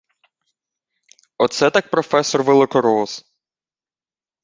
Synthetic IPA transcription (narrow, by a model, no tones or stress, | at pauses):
ɔt̪sɛt̪ak̚pɾɔfɛsɔrʋelˠɪkɔɾɔs